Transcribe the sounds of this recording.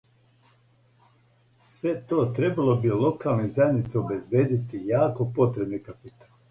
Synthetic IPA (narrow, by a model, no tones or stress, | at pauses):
sʋe̞t̪oːt̪ɾe̞balˠobilo̞kaːlˠnizajed̪nit̪seobezbeːd̪it̪ijaːkopo̞t̪ɾebnikapit̪ḁl